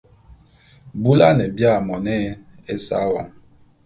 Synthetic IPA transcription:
bu˦la˦nɛ˨bja˦˨mɔ˨nɛ˦ | e˦sa̰˦wɔ̰˨ŋ

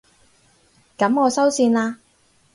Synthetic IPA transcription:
kɐ˨˥mɔː˨˧sɐ˥wsiː˧nlaː˧

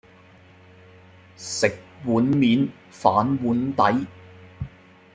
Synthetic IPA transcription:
sɪ˨k̚wuː˨˥nmiː˨˥n | faː˨˥nwuː˨˥nt̪ɐ˨˥j

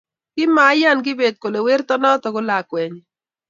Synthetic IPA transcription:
kɪ˦ma˨˦ja˦˨nɡɪ˦be˨t̪̚ko˨le˨we˦ɾt̪ɔ˦nɔ˦t̪ɔ˨ɡʊ˦la˨kwɛ˨ɲ

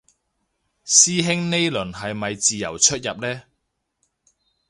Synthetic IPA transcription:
siː˥ɦɪ˥ŋne˥jlɵ˨˩nɦɐ˨jmɐ˨jt͡siː˨jɐ̰˨˩wt͡ʃʰɵ˥t̚jɐ˨p̚lɛː˥

